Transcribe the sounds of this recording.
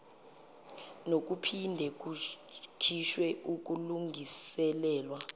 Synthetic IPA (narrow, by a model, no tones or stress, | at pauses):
nok̬upʰindʱɛk̬ukʰiʃwɛuk̬ʼuluŋɡʱisɛlɛːlwa